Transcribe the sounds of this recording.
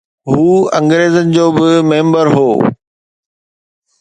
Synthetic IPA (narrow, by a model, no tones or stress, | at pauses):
ɦuːɐ̃ŋɡɾeːzənɪ̆d͡ʑoːbɪmẽːmbəɾɦo̰ː